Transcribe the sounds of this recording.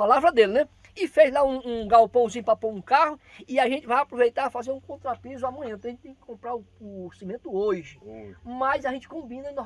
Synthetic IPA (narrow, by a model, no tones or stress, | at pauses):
palavɾɐd̪elɪnɛ | ɪfezlaũːɡawpɐ̃w̃sĩɲ̃papõɾũkahʊ | ɪaʒẽnt͡ʃɪvajapɾovejt̪aɾafazeɾũkõt̪ɾapizʊamɐ̃ɲɐ̃p̪ɾɐʒẽt͡ʃɪt̪ẽj̃kɪ̥kõmpɾaɾʊosĩmẽnt̪ʊoʒɪmɐjzaʒẽnt͡ʃɪ̥kõbĩnɐẽno